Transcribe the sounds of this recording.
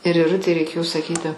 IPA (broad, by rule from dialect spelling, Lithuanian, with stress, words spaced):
ɪr ɪˈrʊtʲɛɪ rʲɛɪˈkʲeːjoː sɐˈkʲiːtʲɪ